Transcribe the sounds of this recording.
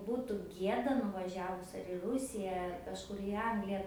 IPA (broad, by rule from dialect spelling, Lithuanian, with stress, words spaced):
ˈbuːtʊ ˈɡʲiɛdɐ nʊʋɐˈʒʲæːʋʊs ɐr ɪ ˈrʊsʲɪjɛ ɐr kɐʃˈkʊr ɪ ˈɐŋɡlʲɪjɛ